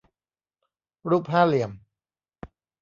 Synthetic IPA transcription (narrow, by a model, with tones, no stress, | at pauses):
ɾuː˥˩p̚ɦaː˥˩li˨˩əm